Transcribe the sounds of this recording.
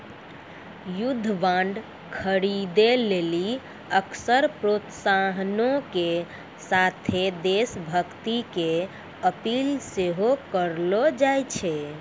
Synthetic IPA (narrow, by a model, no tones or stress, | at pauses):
jud̪ʱːʋãɳɖ | kʰəɾid̪eleli | əksəɾpɾot̪saɦnõke | sat̪ʰed̪esbʱəkt̪ike | əpilseɦokəɾlod͡ʒajt͡ʃʰɛ